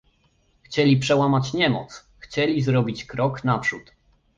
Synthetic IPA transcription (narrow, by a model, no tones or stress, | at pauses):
xt͡ɕɛlʲipʂɛwamat͡ɕɲɛmɔ̰t̪s | xt͡ɕɛlʲizɾɔbʲit͡ɕkɾɔknapʂut̪